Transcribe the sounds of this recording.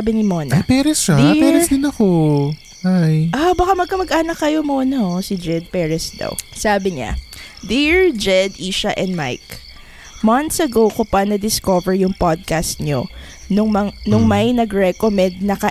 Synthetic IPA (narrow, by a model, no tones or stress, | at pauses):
bɪnɪmonɐapɛːɾɛsʃɐd̪ipɛɾsd̪ɪnɐko | ʔajʔabɐkamɐɡ̚kɐmɐɡʔaːnɐkːɐjo̞moːnɐʔosɪd͡ʒɛd̪̚pɛːɹɛsd̪aɐ̰wsaːbɪɲa̰ | d̪iɹd͡ʒɛd̪iːʃɐʔɛnd̪ma̰jk | mɐnt̪sɐɡowkʊpɐnɐd̪ɪskovɛɹjʊŋpod̪̚kast̪̚ɲo̰ | nʊŋmɐŋnʊŋmɐjnɐɡɹɛkomɛnd̪̚nɐkɐ